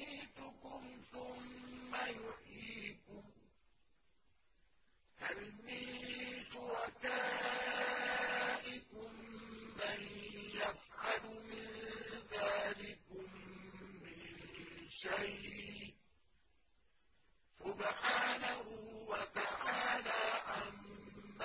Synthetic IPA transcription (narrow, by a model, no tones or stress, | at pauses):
iːt̪ʊkʊmθʊmːajʊħiːkʊ | halmiːʃʊɾˤɑkaː | ʔɪkʊmːanjafʕalʊmɪnðaːlɪkʊmː | ɪnʃaj | sʊbħaːnahʊwat̪aʕaːlaʔamː